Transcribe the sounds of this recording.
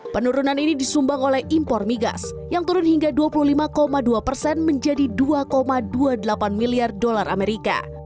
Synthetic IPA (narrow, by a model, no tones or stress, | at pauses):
pənuɾunaninidisumbaŋolɛhimpɔrmiɡa̰s | jaŋt̪uɾʊnhiŋɡaduapuluhlimakomaduapərsɛnməɲd͡ʒadiduakomaduadəlapanmiliardolarʔameɾika̰